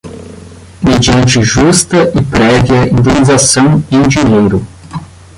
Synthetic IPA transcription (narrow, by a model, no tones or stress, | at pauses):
med͡ʒiɐ̃nt͡ʃɪʒust̪ɐɪpɾɛvjiɐĩnd̪enizasɐ̃w̃ɪĩd͡ʒiɲejɾʊ